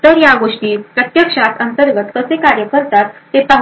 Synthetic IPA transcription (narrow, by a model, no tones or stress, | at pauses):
t̪əɾjaɡoʂʈiːpɾət̪jəkʂat̪ənt̪əɾɡət̪kəsekaɾjəkəɾt̪at̪ːet̪əɦ